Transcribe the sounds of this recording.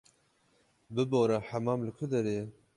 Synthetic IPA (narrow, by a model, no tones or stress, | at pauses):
bɨboːɾaħamɑːmlɨkʰʊd̪ɛɾeː